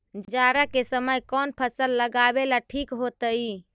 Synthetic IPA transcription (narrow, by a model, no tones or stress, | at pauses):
d͡ʒd͡ʒaɾakesəməjkɔnpʰəsəlːəɡabelaʈʰikɦot̪əi